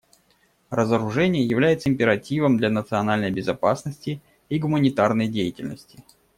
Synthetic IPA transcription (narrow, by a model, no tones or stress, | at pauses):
rəzəɾʊʐɛnʲɪjəjɪvlʲæjɪt̪səɪmʲpʲɪɾɐtʲivəmd̪lʲɐnət̪sɨɐnalʲnəjbʲɪzɐpasnəsʲtʲɪ | iɡʊmənʲɪt̪arnəjdʲejɪtʲɪlʲnəsʲtʲɪ̥